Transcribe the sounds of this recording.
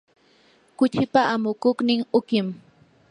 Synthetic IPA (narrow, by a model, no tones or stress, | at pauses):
kʊt͡ʃɪpaʔamʊkʊχnɪŋʊkɪm